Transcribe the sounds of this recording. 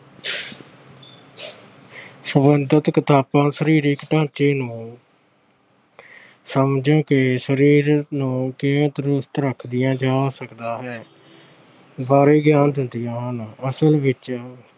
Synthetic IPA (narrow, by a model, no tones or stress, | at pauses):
səmənd̪ət̪kɪt̪aːpãːsəɾiːɾiːkɪʈãːt͡ʃeːnũː | səmd͡ʒõːkɪsəɾiːɾnũːkeːət̪ɾʊst̪ɾəkʰd̪ɪjãːd͡ʒaːsəkd̪aːɦɛː | baːɾeːɡjaːnd̪ɪnd̪ijãːɦənəsəlʋɪt͡ʃ